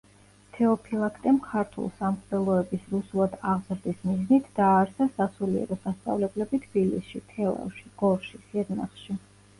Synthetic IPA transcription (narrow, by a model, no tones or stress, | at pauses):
t̪ʰɛɔpʰilˠakʰt̪ʼɛmkʰaɾt̪ʰṵlˠsamχd̪ɛlˠɔɛbisɾusulˠad̪aʁzɾd̪ismiznit̪ʰd̪̥aːɾsasasuliɛ̰ɾɔsast̪sʼa̰vlɛblɛbit̪ʰbilḭsʃit̪ʰɛlˠa̰vʃiɡ̥ɔɾʃisiɛɾna̰χʃi